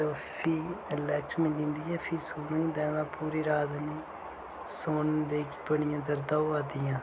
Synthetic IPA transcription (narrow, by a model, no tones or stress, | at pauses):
opʰiːəlɛːt͡ʃmɪ̃lĩːnd̪iːɛːpʰiːsoːnɪd̪ɛ̃ːnãːpuːɾiːɾaːd̪niː | soːnd̪eːkpəɳɪjãːd̪əɾd̪aːoaːd̪ɪjãː